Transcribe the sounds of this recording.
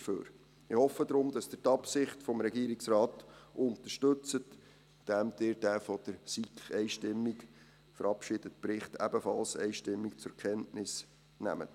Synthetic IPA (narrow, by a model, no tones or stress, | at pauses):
əfø̰ːɾ | ɪhɔfəd̪ɾʊmd̥ɑsd̥ɪtɑpsɪχtfɔmɾɛɡiːɾɪksrɑːtʊnt̪əʃtɵt͡sət | d̥æmd̪̥ɪːɾdæfɔd̥əɾsikɛɪʃtɪmːik | fəɾɑpʃɪd̥ətpɾɪχtæbəfɑ̰lsɛ̰ɪʃtɪmːikt͡sʊɾkʰɛntnɪs | næ̰mə̰t